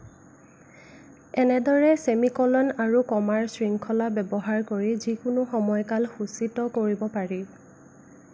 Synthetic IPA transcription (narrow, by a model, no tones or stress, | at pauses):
ɛnɛdɔɹɛsemikɔlɔnaɹukɔmaɹsɹiŋkʰɔlabɛbɔɦaɹkoɹizikʊnʊxɔmɔjkalxusitɔkoɹibɔpaɹi